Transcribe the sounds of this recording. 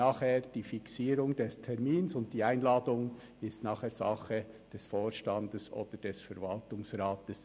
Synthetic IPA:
aːχhɛːɾd̥iːfiksiːɾʊŋd̥ɛstʰɛɾmiːnsʊnt̚d̥iːaɪnlaːdʊŋ | ɪstnɑːχɛz̥ɑ̰χəd̥ɛsfoːɾʃtɑndəso̰ːd̥əd̥ɛsfɛɾvɑltʊŋsraːtəs

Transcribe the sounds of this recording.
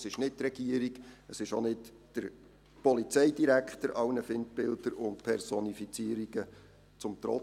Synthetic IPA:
sɪʃnɪt̚trɛɡ̥iəɾiɡəsɪʃonɪt | d̥əɾ | pɔlit͡sɛɪdiɾækχtəɾʔɑwnəfɪnt̚bɪldəɾʊnt̚pʰɛɾsɔnifit͡siəɾiɡ̥ə | t͡sʊmt̪ɾɔ̰

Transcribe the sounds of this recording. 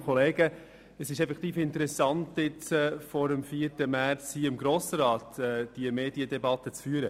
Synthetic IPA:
kʰɔleːɡə | əsɪʃɛfɛkt̪iːfɪntəɾɛsɑntɪt͡sɛːfɔɾəmfiːərtəmæɾt͡shiːɪmɡɾoːsɾɑːtɛd̥iəmeːdiədɛbɑt̪ːət͡sfyːəɾə

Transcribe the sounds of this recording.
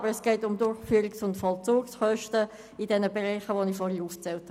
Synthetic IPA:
bəɾɛsɡ̥ɛɪtʊmdʊrχfyːɾɪksʊntfɔlt͡suːksχœʃtə | ɪdɛnəbɛʁɛɪχəʋonifɔɾhiuːft͡sɛlth

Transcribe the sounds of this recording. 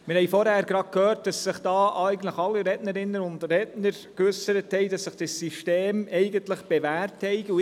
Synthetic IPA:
mɪɾhɛɪfɔɾhæːɾɡ̥ɾɑkʰhøːɾt̚d̥ɑsːɪχd̥ɑːʔɪɡən̩tləχɑlːiɾɛdnəɾɪnːənʊndrɛtnəɾ | køsəɾəthɛɪdɑsːɪχd̥ɪsːiʃteːmɛɪɡəntləχb̥evæːrthɛɪɡu

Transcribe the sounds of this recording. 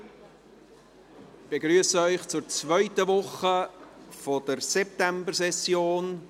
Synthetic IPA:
b̥eɡɾyəsəœʏχt͡sʊɾt͡svœʏtəvʊχəfɔd̥əɾsɛp̚t̪æmbəɾsɛsjoːn

